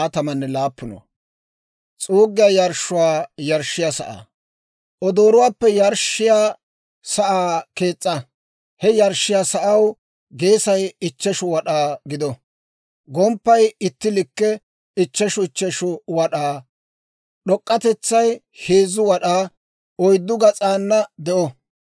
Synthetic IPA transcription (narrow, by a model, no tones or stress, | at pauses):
ɐt̪ɐmɐnːɛlaːpːʊnɔ̰ | t͡sʼuːɡɪjaːjɐɾʃʊwaːjɐɾʃːɪjasɐ̰ʔa̰ː | ʔɔd̪o̞ːɾʊwaːpːɛjɐɾʃɪjaː | sɐʔaːke̞ːt͡sʼːɐ | hɛjɐɾʃɪjaːsɐʔɐw | ɡe̞ːsɐjɪt͡ʃːɛʃʊwɐɗaːɡɪd̪ɔ | ɡɔmpːɐjɪt̪ːɪlɪkːɛ | ɪt͡ʃːɛʃʊɪt͡ʃːɛʃʊwɐɗaː | ɗɔkʼːɐt̪ɛt͡sːɐj | heːzʊwɐɗaː | ɔjd̪ːʊɡɐt͡sʼaːnːɐd̪ɛʔɔ